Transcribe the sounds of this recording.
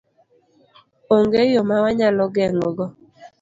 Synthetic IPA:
oŋɡejomawaɲalɔɡɛŋɔɡɔ

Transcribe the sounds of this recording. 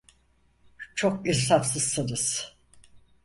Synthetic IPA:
t͡ʃʰokisafsɯz̥sɯnɯz̥

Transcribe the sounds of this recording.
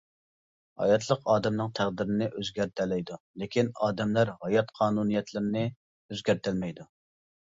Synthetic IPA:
hɑ̰jɑt̪ʰlˠəqɑːd̪ɛmnɨŋt̪ʰæʁd̪ɪɾɪnɪʔøzɡʲæɾt̪ʰɛlɛjd̪u | lɪkʲinɑːd̪ɛmlæɾhɑjɑt̪qʰɑːnunijɛt̪ʰlɪɾnɪ | øzɡʲæɾt̪ɪlmɛjd̪u

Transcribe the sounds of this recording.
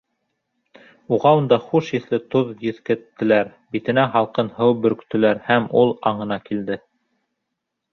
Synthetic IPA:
uʁɑund̪ɑχuʃjɘ̆θlɘt̪oðjɘ̆θkɘ̆t̪ːɘ̆læɾ | bit̪ɘ̆næɦɑlˠqɤnhɤwbɵ̆ɾ̆kt̪ɘ̆læɾhæmulˠɑɴɤ̆nɑkild̪ɘ

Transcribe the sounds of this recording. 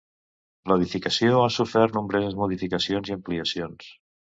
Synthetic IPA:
ləðifikəsioasufɛɾnumbɾɛzəzmuðifikəsionziəmpliəsions

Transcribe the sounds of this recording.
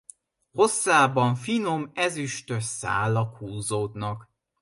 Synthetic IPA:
ho̞sːaːbɒɱfino̞mɛzyʃt̪øsa̰ːlɒkhuːzoːd̪nɒk

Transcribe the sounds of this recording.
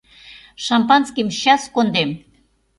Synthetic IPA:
ʃɑmpɑnskimɕɑskond̪em

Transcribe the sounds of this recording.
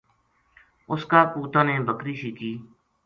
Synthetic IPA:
ʊskaːkuːt̪ãːnẽːbəkɾiːʃiːkiː

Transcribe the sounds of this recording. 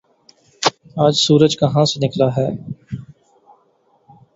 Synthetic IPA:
aːd͡ʒsuːɾəd͡ʒkəɦãːsenɪklaːɦɛː

